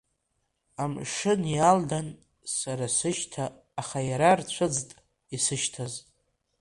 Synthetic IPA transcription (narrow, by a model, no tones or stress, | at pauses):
amʂɨnjaldan | saɾasɨʃtʰaː | χajaɾart͡ɕʷʰɨd͡ztʼ | isɨʃtʰaz